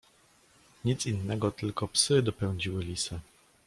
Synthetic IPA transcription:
ɲit̪sinːɛɡɔt̪ɘlkɔpsɘd̪ɔpɛw̃ɲd͡ʑiwɘlʲisɘ

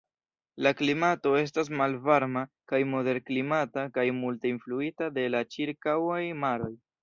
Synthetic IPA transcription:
laklimato̞e̞s̬tas̬malvaɾma | kajmo̞de̞ɾklimatakajmulte̞influitade̞lat͡ʃiɾkawajmaɾo̞j

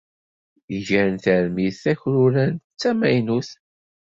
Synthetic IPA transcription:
ʝæɾənθæɾmiθθæçɾʊɾænt͡sːæmæjnuθ

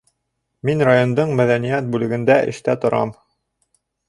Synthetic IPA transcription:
minrajond̪ɤɴmæðænijæt̪̚bʉlɘ̆ɡɘ̆nd̪æʔɘ̰̆ʃt̪æt̪ŏɾɑ̰m

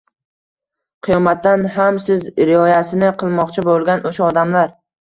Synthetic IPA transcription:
qʰɨjɒmat̪ːanɦamsɪzɾɪɒjasɪnɪqʰɨlˠmɒqt͡ʃʰɪbolˠɡʲanʔoʃaɒd̪amlaɾ

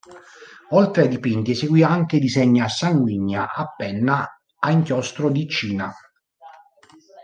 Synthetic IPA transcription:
olt̪ɾeajd̪ipint̪ieseɡwiːaŋk̟ed̪izɛɲːoasːaŋɡwiɲːaʔapːɛnːaː | iŋkjɔst̪ɾod̪it͡ʃiːna

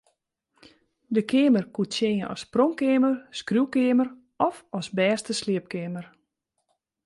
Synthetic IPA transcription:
dəkʰeːmərkutt͡ʃenjəɔ̰sproŋkeːmərskrjuwkɪːmər | ʔɔfɔsbɛːstəsliəp̚kɪːmər

